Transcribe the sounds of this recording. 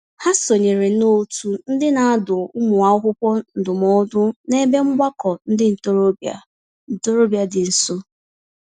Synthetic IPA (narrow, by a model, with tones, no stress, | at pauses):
ha˦so˨ɲe˨ɾe˨no˦tu˨n̩˦dɪ˦na˨a˦dʊ˨ʊ˦mʊ˨a˦ʊ˦ɦʊ˦pɔ˦n̩˨dʊ˨mɔ˦dʊ˦ne˦be˦ŋ͡m̩˦ɡ͡bʷa˦kɔ˨n̩˦dɪ˦n̩˨to˦ɾo˦a˦ | n̩˨to˦ɾo˦bja˦dɪ˨n̩˨so˦